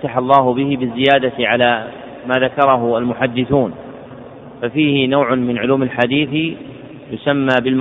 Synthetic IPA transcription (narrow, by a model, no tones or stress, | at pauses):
t̪aħalˤːɑːhʊbɪhɪbɪzːɪjaːd̪aʕalaː | maːðakɑɾˤɑɦʊalmʊħad̪ːɪθuːn | fafiːhɪnawʕʊmɪnʕʊluːmalħad̪iːθ | jʊsamːaːbɪlm